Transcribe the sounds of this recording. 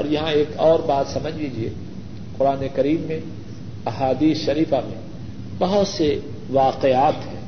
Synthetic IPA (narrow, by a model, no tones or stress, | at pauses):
ɔ̰ːɾjɐɦãeːkɔːɾbaːt̪sɐməd͡ʒʱliːd͡ʒiḛ | qʊɾaːnekɐɾiːmːẽ | ɐɦaːd̪iːsʃɐɾiːfamḛ̃ | bɐɦʊt̪se | ʋaːqeaːt̪ɦɛ̃ː